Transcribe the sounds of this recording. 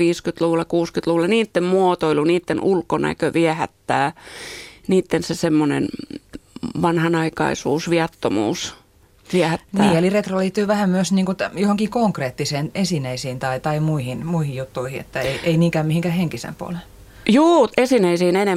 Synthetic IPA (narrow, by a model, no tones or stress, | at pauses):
iːskyt̪luʋulːˑɑkuːskyt̪luʋulːˑɑniːt̪ːemmuot̪oiluniːt̪ːenulkonæ̰køʋiæhæ̰t̪ːæː | niːt̪ːensesemːonḛn | ʋɑnhɑnɑikɑ̰isṵːsʋiɑt̪ːomṵːs | ʋiæhæt̪ːnæiːeliret̪roliːt̪ːyːʋæhæmmyøsniːŋkut̪johoŋkikoŋkreːt̪ːiseːnesineisiːnt̪ɑit̪ɑimuihinmuihijjut̪ːuihiḛt̪ːæeieiniːŋkæːmihiŋkæhheŋkisḛmpuo̰lel | juːesinæisiːnene